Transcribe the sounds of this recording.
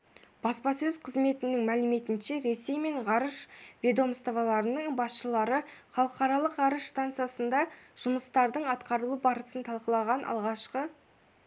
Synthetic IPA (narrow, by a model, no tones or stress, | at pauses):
b̥ɑspɑsɵzqʰəzme̞t̪ɪnɪŋmælɪme̞t̪ɪnʃe̞ɾe̞se̞jme̞ɴʁɑɾəʃvʲe̞d̪o̞mst̪ovɑlˠɑɾənəɴbɑsʃəlˠɑɾəχɑlˠəqɑɾɑlˠəqʁɑɾəʃst̪ant̪sɨjasənd̪ɑʒ̥ʊməst̪ɑɾd̪əɴɑt̪qɑɾəlˠubɑɾəsənt̪ʰɑlˠqəlˠɑʁɑnʔɑ̰lˠʁɑʃqə